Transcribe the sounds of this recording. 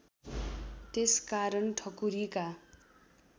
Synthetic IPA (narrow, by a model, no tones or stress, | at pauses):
t̪eskaɾʌnʈʰʌkuɾika